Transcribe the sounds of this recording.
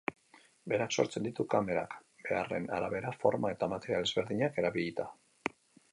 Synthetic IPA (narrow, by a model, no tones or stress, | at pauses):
be̞ɾakso̞̰ɾt͡se̞nd̪it̪ukame̞ɾa̰kbe̞are̞̰na̰ɾaβe̞ɾafo̞ɾmae̞t̪amat̪e̞ɾialezβe̞ɾðiɲake̞ɾaβiʎit̪a